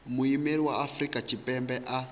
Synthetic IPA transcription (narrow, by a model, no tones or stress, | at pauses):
muimeɾiwaafrikat͡ʃipɛmbɛʔa